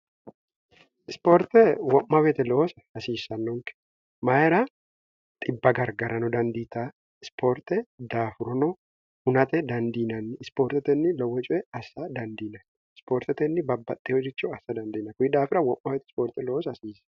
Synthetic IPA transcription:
ɪspoːɾt̪ɛwɔmːɐβɛt̪ɛloɔsɐɐsiːsːɐnːɔŋkɛ̥ | mɐjɛɾɐ | t̪ʼɪbːɐɡɐɾɡɐɾɐnɔd̪ɐnd̪iːt̪a | ɪspʰoːɾt̪ɛd̪aːfʊɾɔnɔ | hʊnɐt̪ɛd̪ɐnd̪iːnɐnːɪɪspoːɾt̪ɛt̪ɛnːɪlɔwːɛt͡ʃʼɔɛɐsːɐd̪ɐnd̪iːnɐnː | ɪspoːɾt̪ɛt̪ɛnːɪbɐbːɐ̰t̪ʼːɪhɔd͡ʒɪt͡ʃːʊɐsːɐd̪ɐnd̪iːnɐkʊɪd̪aːfɪɾɐwɔmːɐbɛt̪ɛspoːɾt̪ɛloːsɐsiːsɐ̥

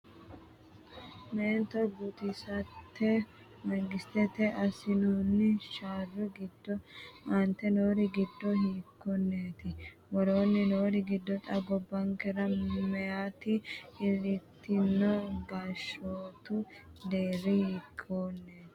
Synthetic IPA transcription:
meːnt̪ɔɡʊt̪ɪsɐt̪ʰːɛ | mɐŋɡɪst̪ɛt̪ɛʔɐsɪnuːnːɪʃaːrːʊɡɪd̪ːɔɐnt̪ːɛnoːɾɪɡɪd̪ːɔhiːkʰːɔnːeːt̪ɪ | wɔɾo̞ːnːɪno̞ːɾɪɡɪd̪ːɔt̪ʼɐɡɔbːɐŋkɛɾɐmɛjaːt̪ɪɪɾɪt̪ːɪnːɔɡaːʃoːt̪ʊd̪eːɾːɪhiːkʰːoːnːeːt̪ɪ̥

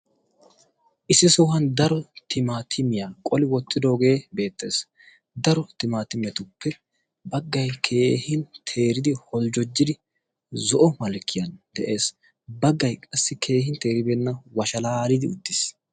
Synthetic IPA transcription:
ʔɪsːɪsɔhɐnd̪ɐɾɔt̪ʰɪmaːt̪ʰɪmɪjaːkʼɔlɪwɔt̪ʼːɪd̪o̞ːɡe̞ːbe̞ːt̪ːe̞ːs | d̪ɐɾɔt̪ɪmaːt̪ɪmɛt̪ʊpːɛ | bɐɡːɐjkʰe̞ːhɪnt̪ʰe̞ːɾɪd̪ɪhɔld͡ʒɔd͡ʒːɪd̪ɪ | zɔʔɔmɐlkʰːɪjɐnd̪ɛʔe̞ːs | bɐɡːɐjkʼɐsːɪkʰe̞ːhɪnt̪e̞ːɾɪbɛnːɐwɐʃɐlaːɾɪd̪ɪʊd̪ːɪs

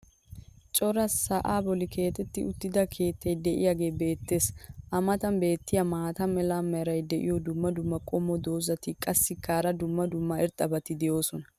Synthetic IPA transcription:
t͡ʃʼɔɾɐsːɐʔaːbɔlɪkʰe̞ːt̪ɛt̪ːɪʊt̪ːɪd̪ɐkʰe̞ːt̪ːɐjd̪ɛʔɪ̰jaːɡe̞ːbe̞ːt̪ːe̞ːsʔɐmɐt̪ɐnbe̞ːt̪ːɪjɐmaːt̪ɐmɛlamːɛɾɐjd̪ɛʔɪ̰jɔd̪ʊmːɐd̪ʊmːɐkʼɔmːɔd̪o̞ːzɐt̪ɪkʼɐsːɪkːaːɾɐd̪ʊmːɐd̪ʊmːɐɛɾt̪ʼːɐbɐt̪ɪd̪ɛjo̞ːsɔnɐ

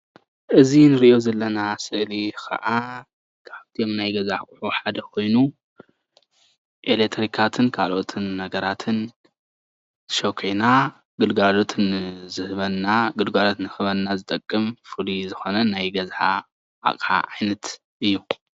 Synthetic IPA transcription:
ʔɨzinɨɾiʔjo̞zɐlːɐnasɨʔlixʰɐ̰ʔa | kʰaβt̪ʰijomnajɡɐzaħkʼħuħad̪ɐkʰo̞jnu | ʔelek̚t̪ʰɾikʰat̪ʰɨnkʰalʔot̪ʰɨnːɐɡɐɾat̪ʰɨn | zɨʃokʰena | ɡ̥ɨlɡalot̪ʰɨnzɨhɨβɐnːaɡɨlɡalot̪nɨxɨβɐnːazɨt̪ʼɐkʼːɨmfɨlizɨxo̞nɐnajɡɐzħa̰ | ʔa̰kʼħa̰ʕajnɐt̪ | ʔɨjːu

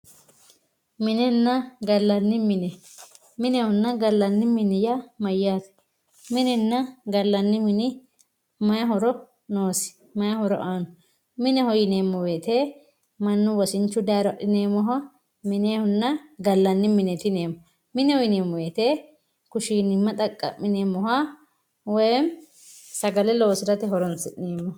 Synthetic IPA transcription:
mɪnɛnːɐɡɐlːɐnːɪmɪnɛ | mɪnɛhɔnːɐɡɐlːɐnːɪmɪnɪjɐmɐjːaːt̪ɐ̥ | mɪnɛnːɐɡɐlːɐnːɪmɪnɪ | mɐjɐɦɔɾɔ | noːsɪ̥ | mɐjɐhɔɾɔ̰ʔaːnɔ | mɪnɛhɔjɪneːmːɔwe̞ːt̪eː | mɐnːʊwɔsɪnt͡ʃːʊd̪aːɾɔʔɪneːmɔɦɐ | mɪneːhʊnːɐɡɐlːɐnːɪmɪnɛt̪ɪneːmːɔ | mɪnɛwɔjɪneːmːɔweːt̪eː | kʊʃiːnɪmːɐt̪ʼɐkʼːɐ̰mːɪneːmːɔha | wɔjɛm | sɐɡɐlɛlo̞ːsɪɾɐt̪ɛɦɔɾɔnsɪʔneːmːɔ

